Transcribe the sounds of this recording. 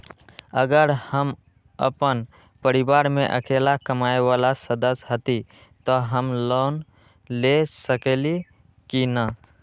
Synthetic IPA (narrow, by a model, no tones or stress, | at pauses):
əɡəɾhəm | ə̰pən | pəɾibaɾmeʔə̰kʰelakəmaeʋalasəd̪əsɦət̪i | t̪ɔɦəmlon | lesəkeli | kina